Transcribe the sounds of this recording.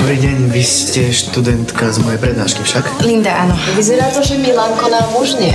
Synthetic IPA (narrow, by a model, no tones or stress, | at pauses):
ɔbɾiːɟɛɲʋiscɛʃt̪ud̪ɛnt̪kazmɔjɛjpɾɛd̪̚naːʃkifʃaklind̪aanɔʋizɛɾaːt̪ɔʒɛmilaŋkɔnamuʒɲɛ